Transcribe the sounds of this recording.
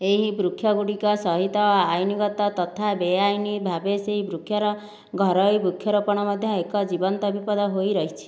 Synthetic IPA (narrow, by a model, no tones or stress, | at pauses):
eɦibɾukʰjɔɡuɽikɔsɔɦit̪ɔajniɡɔt̪ɔt̪ɔt̪ʰabeajnibʱabeseɦibɾukʰjɔɾɔ | ɡʱɔɾɔjbɾukʰjɔɾupɔɽ̃ɔmɔd̪ʱjɔekɔd͡ʒibɔnt̪ɔbipɔd̪ɔɦojɾɔɦit͡ʃʰi̥